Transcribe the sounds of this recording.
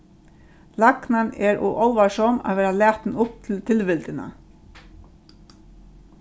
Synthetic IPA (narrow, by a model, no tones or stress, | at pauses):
laknanɛɾɔ̰ʔɔlʋaʂɔma̰ʋeːɾalæːt̪n̩ʊp̚t̪ʰɪlt̪ʰɪlʋɪlt̪ɪna̰